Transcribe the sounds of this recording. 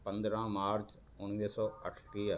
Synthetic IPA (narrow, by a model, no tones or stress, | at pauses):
pə̃nd̪ɾãːmaːɾt͡ʃ | ʊnʋeːsɔːəʈʰʈiː